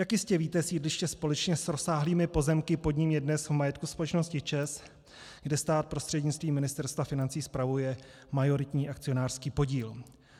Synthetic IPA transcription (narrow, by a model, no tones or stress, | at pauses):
jakjɪscɛviːt̪ɛsiːdlɪʃcɛspo̞lɛt͡ʃɲɛsɾo̞saːɦliːmɪpo̞zɛmkɪpo̞dɲɪmjɛdnɛsvmajɛt̪kuspo̞lɛt͡ʃno̞scɪt͡ʃɛs | ɡdɛst̪aːt̪̚pɾo̞st̪r̥ɛdɲɪt͡st̪viːmːɪnɪst̪ɛɾst̪vafɪnant͡siːspɾavujɛ | majo̞ɾɪt̪ɲiːʔakt͡sɪo̞naːr̥skiːpo̞ɟiːl